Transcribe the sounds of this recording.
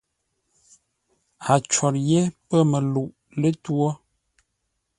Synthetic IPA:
a˨t͡ʃɔ˨tje˦pə˦mə˨lu˨ʔ | lə˦two˦

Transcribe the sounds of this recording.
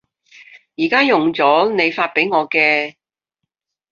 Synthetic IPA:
jiː˨˩kaː˥jʊ˨ŋt͡sɔː˨˥ne˨˧jfaː˧t̚pe˨˥jŋɔː˨˧kɛː˧

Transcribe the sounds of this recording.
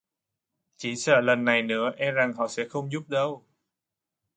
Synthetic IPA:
t͡ɕi˧˩˦sə̰ː˧˨lə˨˩nːa˨˩jnɨ̰˧˥əʔɛ˧mza˨˩ŋhɔ̰˧˨sɛ̰˧˥xə˧wŋ͡mzu˦˥p̚ɗə˧w

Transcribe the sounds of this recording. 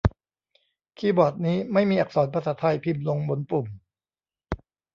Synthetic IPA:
kʰiː˧˩bɔː˨˩t̪̚niː˦˥ma˥˩jmiː˧ʔa˨˩k̚sɔː˩˦npʰa˧sa˩˦˥t̪ʰa˧jpʰi˧˩mlo˧ŋbo˧npu˨˩m

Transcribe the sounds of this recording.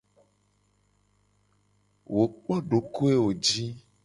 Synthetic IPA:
wo˨k͡pɔ˦ɖo˨ko˦e˦wo˨d͡ʒi˦

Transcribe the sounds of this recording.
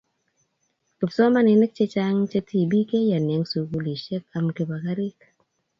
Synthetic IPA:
kɪ˨psɔ˦ma˦nɪ˨nɛ˦k̚t͡ʃe˦t͡ʃa˦ŋt͡ʃe˦tʰi˨bi˦ke˦ja˨nɛ˨ŋsu˨ɡu˦li˨ʃɛ˦ka˨mke˨ba˨ka˦ɾi˦k

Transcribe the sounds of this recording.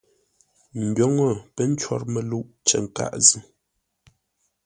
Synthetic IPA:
m̩˨bjo˨˦ŋo˦˨pə˦n̩˦t͡ʃwɔ̰˦˨ɾmə˨lu˦ʔt͡ʃə˨ŋ˨ka̰˦ʔzi˦

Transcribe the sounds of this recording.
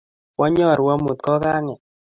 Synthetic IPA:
wɔ˦ɲɔ˦˨ɾwa˦mu˨t̪̚kɔ˦ka˦ŋɛ˨

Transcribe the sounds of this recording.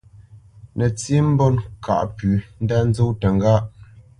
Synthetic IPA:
nə˨t͡si˦m̩˦bɔ˦nkʰa̰˨ʔpʉ˨˦n̩˦da˦n̩˦zo˦wtə˨ŋ˦ɡa˦ʔ

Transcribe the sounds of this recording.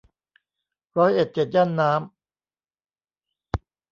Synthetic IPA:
ɾɔː˦˥jʔe˨˩t̪̚t͡ɕe˨˩t̪̚jaː˥˩nːaː˦˥m

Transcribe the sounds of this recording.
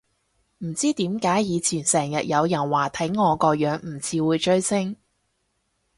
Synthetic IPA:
m̩˨˩t͡siː˥t̪iː˨˥mkaː˨˥jjiː˨˧t͡sʰiː˨˩nsɛː˨˩ŋjɐ˨t̚jɐ˨˧wjɐ˨˩nwaː˨˩t̪ʰɐ˨˥jŋɔː˨˧kɔː˧jœː˨˥ŋm̩˨˩t͡sʰiː˨˧wuː˨˧jt͡ʃɵ˥ɥsɪ˥ŋ

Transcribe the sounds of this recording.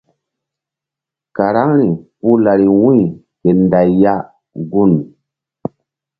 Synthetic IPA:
ka˨ɾa˦ŋɾi˨pu˦la˨ɾi˨wũ˦j | ke˨nda˨jːa˦ | ɡu˦˨n

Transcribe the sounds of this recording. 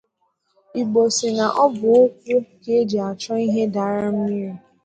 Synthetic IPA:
i˨ɡ͡bo˨si˨na˨ʔɔ˦bʊ˨o˦kʷu˦ke˦d͡ʒe˨a˨t͡ʃɔ˦i˦ɦe˦da˨˦ɾa˦m̩˦mi˦ɾi˨

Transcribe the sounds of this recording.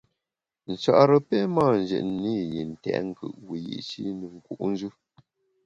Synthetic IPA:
n̩˨t͡ʃa̰˦ʔɾə˨pɛ˦ma˦˨n̩˨d͡ʒə̰˨ʔni˦ji˨n̩˨tɛ̰˨ʔŋ˦kɯ̰˨ʔwi˨jḭ˦˨˦t͡ʃi˦nə˨ŋ̩˨ku˨ʔn̩˦d͡ʒʉ˦

